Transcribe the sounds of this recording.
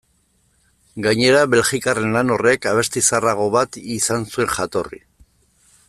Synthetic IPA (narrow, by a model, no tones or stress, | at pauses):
ɡaɲe̞ɾaβe̞lʝikare̞nlano̞re̞kaβ̞e̞st̪isaraɣ̞o̞βat̪isansue̞ŋʝat̪o̞rḭ